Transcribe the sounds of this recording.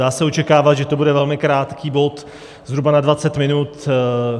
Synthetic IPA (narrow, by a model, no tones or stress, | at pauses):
aːsɛo̞t͡ʃɛkaːvat̪ʒɛt̪o̞budɛvɛlmɪkɾaːt̪kiːbo̞t̪ | zɦɾubanadvat͡sɛt̪mɪnut̪